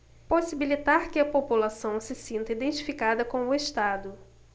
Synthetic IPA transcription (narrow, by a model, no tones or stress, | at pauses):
posibilit̪aɾkɪɐpopulasɐ̃w̃sɪsĩnt̪ɐid̪ẽnt͡ʃifikad̪ɐkõw̃ʊeʃt̪ad̪ʊ